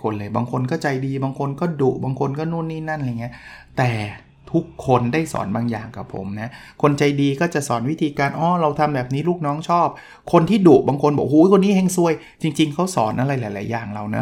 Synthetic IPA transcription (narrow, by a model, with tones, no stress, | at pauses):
kʰo˧nlɤː˧jbaː˧ŋkʰo˧nkɔː˥˩t͡ɕa˧jdiː˧baː˧ŋkʰo˧nkɔː˥˩duː˨˩ʔ̚baː˧ŋkʰo˧nkɔː˥˩nu˥˩˨nːiː˥˩na˥˩nɾa˧˩jŋi˦˥ɐt̪ɛː˨˩ | t̪ʰu˦˥kʰːo˧ndaː˥˩jsɔ̰ː˩˦nbaː˧ŋja̰ː˨˩ŋka˨˩pʰo̰˨˩˦mna˦˥ | kʰo˧nt͡ɕa˧jdiː˧kɔː˥˩t͡ɕa˨˩ʔsɔ̰ː˩˦nwi˦˥t̪ʰiː˧kaː˧nʔɔː˧˩ɾa˧wt̪ʰa˧mbɛː˨˩p̚niː˦˥luː˥˩k̚nɔː˦˥ŋt͡ɕʰɔː˥˩p̚ | kʰo˧nt̪ʰiː˥˩duː˨˩baː˧ŋkʰo˧nbɔ̰ː˨˩huː˨˦kʰo˧nːiː˦˥he˧ŋsu˧əj | t͡ɕi˧ŋt͡ɕi˧ŋkʰa˦˥wsɔː˨˩˦nʔa˧ɾa˧jlaː˩˦jlaː˩˦jːaː˨˩ŋɾa˧wna̰˦˥